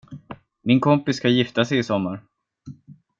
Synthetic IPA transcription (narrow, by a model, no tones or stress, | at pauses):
mɪnkʰɔmpɪskʰajɪft̪asɛjɪsɔmːaɾ